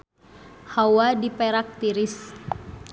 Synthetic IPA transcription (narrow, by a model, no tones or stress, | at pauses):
hawadipɛɾak̚t̪iɾis